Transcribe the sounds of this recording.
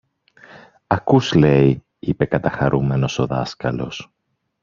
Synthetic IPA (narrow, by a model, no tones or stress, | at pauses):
ɐkusle̞i | ipe̞kɐt̪ɐxɐɾʔume̞no̞so̞ðɐskɐlo̞s